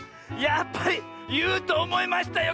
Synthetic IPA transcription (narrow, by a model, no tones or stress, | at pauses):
japːai | jɨːt̪oːmoimaɕi̥t̪ajo